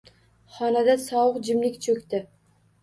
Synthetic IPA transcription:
χɒnad̪asɒwʊqd͡ʒɪmlɪkʲt͡ʃʰɵkʲt̪ɪ

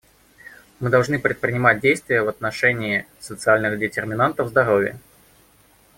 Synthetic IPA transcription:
mɨd̪ɐlˠʐnɨpɾʲɪt̪̚pɾʲɪnʲɪmat̚ʲdʲejst̪vʲɪjəvɐt̪nɐʂɛnʲɪː | sət̪sɨalʲnɨxdʲɪtʲɪrmʲɪnant̪əvzd̪ɐɾovʲɪjə̰

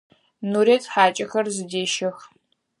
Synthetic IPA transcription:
nuːɾet͡sʼħaːt͡ʃʼɐxɐrzɨdeːʃɐx

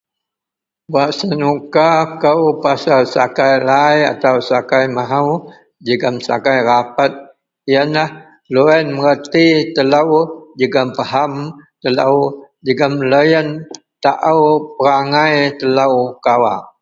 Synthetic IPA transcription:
waʔsənukakəwpasalsakajlaja̰t̪awsakajmaɦaw | d͡ʒəɡəmsa̰kajɾapat̪̚ | ijənlah | loɛnməɾət̪it̪ələwd͡ʒəɡəmpəɦamt̪ələw | d͡ʒəɡəmləjən | t̪aʔawpəɾaŋajt̪ələwkawa̰

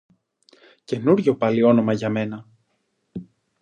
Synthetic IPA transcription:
ce̞nuɾʝo̞pɐlio̞no̞mɐʝɐme̞nɐ

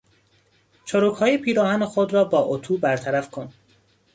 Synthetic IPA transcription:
t͡ʃʰoɾuːkhɒːjepʰiːɾɒːhænexod̪ɾɒːbɒːʔot̪ʰuːbæɾt̪ʰæɾæfkʰon

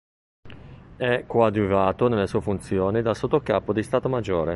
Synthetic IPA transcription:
ɛkːwad̪uvaːt̪onelːesuːefunt̪sjoːnid̪alsot̪ːokaːpod̪ist̪aːt̪omad͡ʒːoːɾe

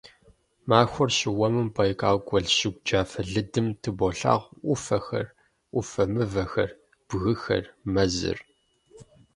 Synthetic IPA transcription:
maːxʷʊrɕɪwɐmɨmpʰʼɐjkʰʼaːwɡʷʼɔɮɕɪɡ̚ʷd͡ʒaːfɐɮɨdɨmtʰɨboɬa̰ːʁʷʔʷʊfɐxɐ̰r | ʔʷʊfɐmɨvɐxɐ̰r | b̥ɣɨxɐ̰rmɐzɨ̰r

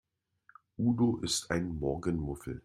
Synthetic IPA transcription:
ʔuːdoʔɪstaɪnmɔɐɡənmʊfl̩

